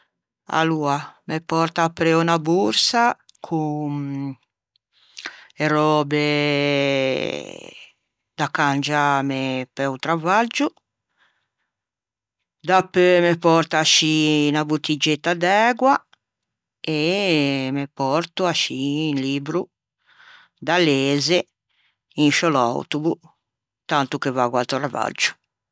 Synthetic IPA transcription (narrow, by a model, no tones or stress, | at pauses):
a̰luamepɔɾt̪aːpːɾeunabuɾsa | kʰu | erɔbe | d̪akːand͡ʒamepɛwt̪ɾavad͡ʒu | d̪apːemepɔɾt̪aʃinabut̪ːid͡ʒet̪ːad̪ɛːɡwa | e | mepɔɾt̪uaʃiːnliːbɾu | d̪aleːze | inʃɔla̰wt̪uvu | t̪ant̪ukevaɡwalt̪ɾava̰d͡ʒːu̥